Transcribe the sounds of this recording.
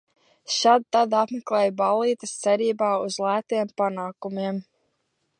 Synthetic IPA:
ʃad̪̚t̪ad̪apmɛklˠɛːjbalˠiːt̪əst̪sɛɾiːbaːuzlˠæːt̪iɛmpanaːkumiɛm

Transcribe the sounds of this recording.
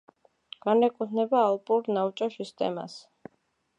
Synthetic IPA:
ɡ̥anɛkʼut̪ʰnɛbaːlˠpʼuɾnavt͡ʃʼɔsist̪ʼɛ̰ma̰s

